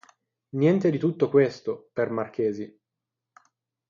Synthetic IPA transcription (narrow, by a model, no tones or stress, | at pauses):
njɛnt̪ed̪it̪ut̪ːokwest̪opermark̟eːzi